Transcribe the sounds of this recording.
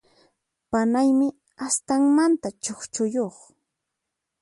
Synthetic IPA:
panajmɪ | ast̪aŋmant̪at͡ʃoχt͡ʃʊjoχ

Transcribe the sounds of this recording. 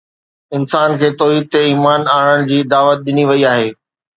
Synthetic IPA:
ɪnsaːnkʰeːt̪ɔːɦiːd̪̚t̪eiːmaːnaːɽ̃əɽ̃ɪ̆d͡ʑiːd̪aːʋət̪̚ɗɪniʋɐiaːɦeː

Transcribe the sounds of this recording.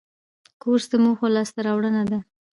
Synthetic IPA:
koɾsd̪əmuxolɑst̪aɾɑwɽənad̪a

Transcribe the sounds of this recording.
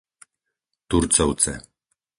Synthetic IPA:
t̪uɾt͡sawt͡sḛ

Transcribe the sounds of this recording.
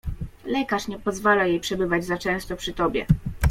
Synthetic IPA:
lɛkaʂɲɛpɔzvalajejpʂɛbɘvad͡ʑzat͡ʂɛ̃w̃st̪ɔpʂɘt̪ɔbʲjɛ̰

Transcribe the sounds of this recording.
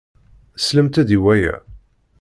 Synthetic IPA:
sləmt̪æðiwæjæ̰

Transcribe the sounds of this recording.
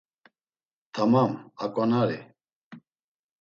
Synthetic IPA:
t̪ʰamamakʼanaɾi

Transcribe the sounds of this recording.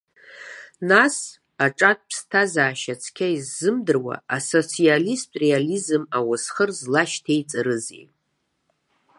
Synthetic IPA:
nas | aʈ͡ʂʼat̚ʰʼpʰstʰazaːʃat͡sʰkʲʰaizːɨmdɨrwa̰aso̞t͡sʰialistʼre̞alizɨmawasχərzlaʃtʰejt͡sʼaɾɨzḛj

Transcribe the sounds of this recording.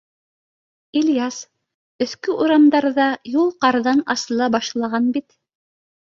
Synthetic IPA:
ilʲjas | ɵ̆θkɵʔuɾɑmd̪ɑɾðɑjulˠqɑɾðɑnɑsɤ̆lˠɑbɑʃlˠɑʁɑnbit̪

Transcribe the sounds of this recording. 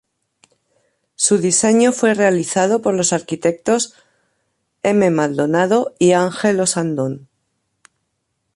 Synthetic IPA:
suðise̞ɲofwe̞re̞aliθað̞o̞po̞ɾlo̞saɾkit̪e̞k̚t̪o̞s | e̞me̞mald̪o̞naðo̞iaŋxe̞lo̞sand̪on

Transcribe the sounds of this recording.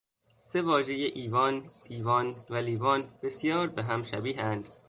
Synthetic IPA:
se̞vɒːʒe̞jeʔiːvɒːnd̪̥iːvɒːnvæliːvɒːnb̥e̞sjɒːɾbeɦæmʃæbiːɦænd̪̥

